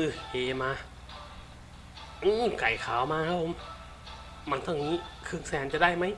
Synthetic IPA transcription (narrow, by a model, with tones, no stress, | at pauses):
ʔɯ˧˩ʔeː˨˧˦maː˧ | ʔɯː˧˩ka˨˩jkʰaː˨˩˦wmaː˧kʰa˦˥p̚ʰo˧˦m | ma˧˥nt̪ʰɔː˧˩ŋniː˦˥kʰɯ˧˥ŋsɛː˨˦nt͡ɕa˧˨da˥˩jma˦˥j